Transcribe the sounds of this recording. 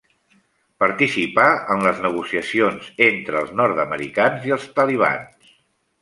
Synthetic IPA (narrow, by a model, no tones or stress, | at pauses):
pəɾt̪isipaənləznəɣ̞usiəsionzent̪ɾəːlˠznɔɾt̪əməɾḭkanziəlˠst̪əliβ̞a̰ns